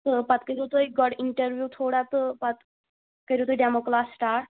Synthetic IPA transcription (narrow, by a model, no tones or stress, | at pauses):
t̪əpat̪kəɾut̪əjɡɔɽiɳʈəɾʋjuːt̪ʰoɽat̪pat̪ | kəɾut̪əjɖɛmoklasːʈaɾ